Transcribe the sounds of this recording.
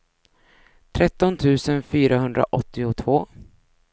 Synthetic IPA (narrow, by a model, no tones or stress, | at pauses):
t̪ʰɾɛt̪ːɔnt̪ʰʉ̟ːsənfyːɾaɦɵnd̪ɾa̰ʔɔt̪ːɪʊt̪ʰvoː